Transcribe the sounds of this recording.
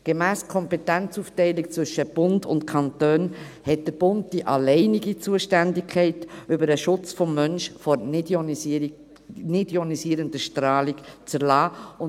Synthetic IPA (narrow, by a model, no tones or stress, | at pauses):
ɡ̥emæːskʰɔmpetɛnt͡suftɛɪlik̚t͡svʏʃəb̥ʊndʊ̰ntkʰɑntøːn | hɛt̚d̥əɾb̥ʊnd̚d̥iʔɑlɛɪniɡit͡suəʃtændɪkʰːɛɪtʏbəɾəʃʊt͡sfɔmːœnʃfɔɾn | nidjonisiːəɾəndəʃtɾɑːlikt͡sæɾlɑːʊ